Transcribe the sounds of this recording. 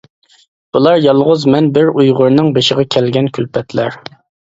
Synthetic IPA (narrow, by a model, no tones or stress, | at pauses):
b̥ulˠɑɾjɑlˠʁʊzmɛnbɪɾujʁʊɾnɨŋbeʃɪʁɑkʲʰɛlɡʲɛnkʲʰylpʰɛt̪ʰlæɾ